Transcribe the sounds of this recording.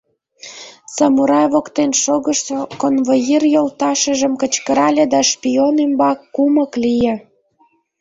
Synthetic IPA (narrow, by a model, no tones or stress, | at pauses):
sɑmuɾɑjβokt̪enʃoɣəʃkonvojirjolt̪ɑʃə̆ʒə̆mkə̆t͡ɕkə̆ɾɑlʲed̪ɑʃpʲionembɑkːuməklijĕ